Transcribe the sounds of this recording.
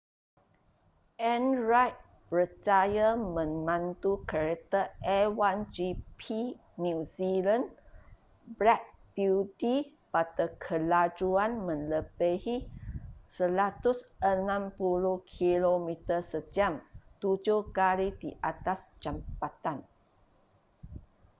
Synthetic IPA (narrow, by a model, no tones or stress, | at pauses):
ʔɛ̃nɹajt̪̚ | pɾət͡ʃajamə̃ŋmãnt̪ukaɾet̪əʔɛwand͡ʒipʰi | nuzilãn | bɾɛk̚b̥uti | patəkʰəlad͡ʒuanmə̃nləbəhi | səlat̪usənãmpuluhkʰilomit̪əsəd͡ʒamt̪ud͡ʒohkaɾidiʔat̪ast͡ʃampat̪an